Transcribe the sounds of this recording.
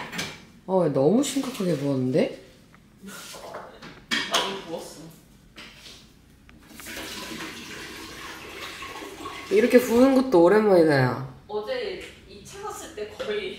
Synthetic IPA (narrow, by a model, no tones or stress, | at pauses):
ʌnʌmuɕʰiŋɡakʰaɡepoʌnːɯnde̞ | aipoʌs͈ɯo | iɾʌkʰe̞puɯnɡot̚t͈ooɾemʌinajo̰ʌd͡ʑe | it͡ɕʰaŋas͈ɯɭt͈e̞kʌi